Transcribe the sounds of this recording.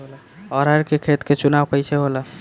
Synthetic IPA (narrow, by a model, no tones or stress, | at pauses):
l | ɔɾəɾkekʰet̪ket͡ʃunaʋpəjsʰeɦolə